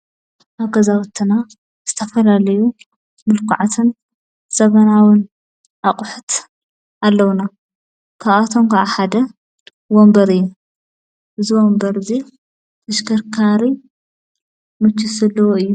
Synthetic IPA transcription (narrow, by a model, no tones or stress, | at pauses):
ʔaβɡɐzawɐt̪ʰːɨna | z̥ɨt̪ʰɐfɐlalɐju | mɨlkʰṵʕat̪ʰɨn | z̥ɐβɐnawɨn | ʔaqʼʊħʊt̪ | alːɐwna | kʰaβat̪ʰomkʰaʔaħad̪ɐ | wombɐɾɨjːu | ʔɨziwombɐɾɨzi | t̪ʰɐʃkʰɐɾkʰaɾi | mɨt͡ʃːisɐlːɐwoɨjːu